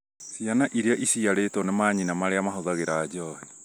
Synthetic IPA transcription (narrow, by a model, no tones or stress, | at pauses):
sianaʔiɾeaʔisiaɾeːtonɛmaːɲinamaɾeamaɦoðaɣeɾaːd͡ʒɔhe